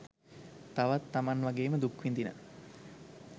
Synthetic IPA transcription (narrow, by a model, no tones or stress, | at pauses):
t̪aʋat̪ːamanʋaɡeːməd̪ukʋind̪inə̰